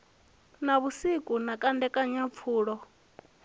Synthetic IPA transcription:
naβusikʼunakʼandɛkʼaɲap̪fʰuːɺɔ

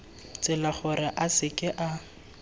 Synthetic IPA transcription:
t͡sʼɪlaχʊrɪʔasɪkʼɪʔa

